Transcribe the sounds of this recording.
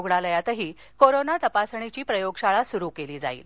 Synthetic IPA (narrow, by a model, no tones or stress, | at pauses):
ɡɳaləjat̪əɦiː | koɾonat̪əpasəɳ̃it͡ɕiːpɾəjoɡɕaɭasuɾuːkeliːd͡za̰ḭːl